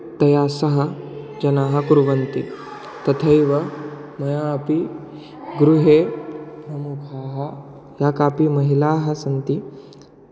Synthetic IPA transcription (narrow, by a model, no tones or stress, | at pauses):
t̪ɐjaːsɐɦɐ | d͡ʒɐnaːɦɐ̆kuɾʋɐnt̪i | t̪ɐt̪ʰɐjʋɐ | mɐjaːpi | ɡɾuɦeːpɾɐmukʰɐːɦɐ | jaːkaːpimɐɦilaːɦɐ̆sɐnt̪i